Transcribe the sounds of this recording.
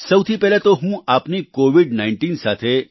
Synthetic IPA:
sɐwt̪ʰipɛːlet̪oɦũaːpnikoːʋiɖnaːɪ̃ɳʈiːnsaːt̪ʰe

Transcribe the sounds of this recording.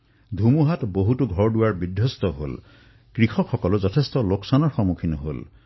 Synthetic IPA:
d̪ʱumuɦatboɦutuɡʱɔɹɖuwaɹbidʱjɔst̪ɔɦo̰l | kɹikʰɔkʰːɔkɔluzɔtʰest̪ɔloksanɔɹxɔmukʰinɔɦo̰l

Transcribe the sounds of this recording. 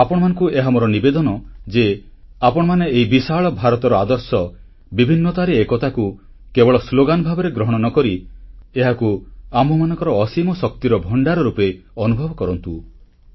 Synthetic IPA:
apɔɽ̃ɔmanɔ̃ŋkueɦamoɾɔnibed̪ɔnɔd͡ʒe | apɔɽɔmaneːɦibisaɭɔbʱaɾɔt̪ɔɾɔad̪ɔɾsɔ | bibʱinːɔt̪aɾiekɔt̪aku | kebɔɭɔsloɡanɔbʱabɔɾeɡɾɔɦɔɽ̃ɔnɔkɔɾieɦakuamɔmanɔ̃ŋkɔɾɔːsimɔsɔkt̪iɾɔbʱɔɳɖaɾɔɾupeɔnubʱɔbɔkɔɾɔnt̪u

